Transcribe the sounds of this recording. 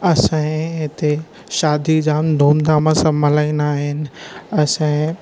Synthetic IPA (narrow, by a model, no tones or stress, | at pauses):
ɐsãẽɪt̪e | ʃaːd̪ʱid͡ʑaːmd̪ʱoːmd̪amãsɐ̃mʱɐlaːĩnaːɦɪnɪ̆ɐsãẽ